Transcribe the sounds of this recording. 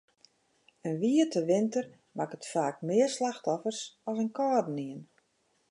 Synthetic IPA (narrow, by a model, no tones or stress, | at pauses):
ənʋiətəʋɪntər | makətfaːkmɪərslaxtɔfərsɔsənkɔːdniən